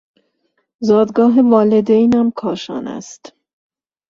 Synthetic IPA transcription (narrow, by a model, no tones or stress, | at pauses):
zɒːd̪ɡɒːɦevɒːled̪ejnɒːmkʰɒːʃɒ̰ːnæ̰st̪